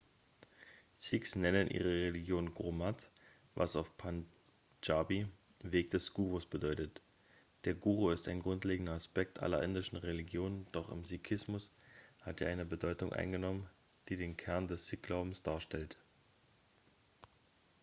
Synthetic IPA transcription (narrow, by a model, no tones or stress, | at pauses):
z̥iːksnɛnənʔḭːʁ̞əʁeliɡjoːnɡʁomat | vasaʊfpʰan | d͡ʒabi | veːkd̥ɛsɡ̥uːʁ̞osb̥ədɔʏtət | d̥eːɐɡuːʁoɪstaɪnɡʁʊntleːɡŋ̩dɐaspɛk̚tʔa̰lɐ̰ʔɪndɪʃn̩ʁeliɡjoːnənd̥ɔχɪ̰mzikʰɪsmʊshateːɐʔaɪnəbədɔʏtʊŋʔa̰ɪnɡənɔmən | d̥iːdeːnkʰɛɐndɛsz̥iːk̚ɡ̥laʊbm̩sd̥aːɐʃtɛlt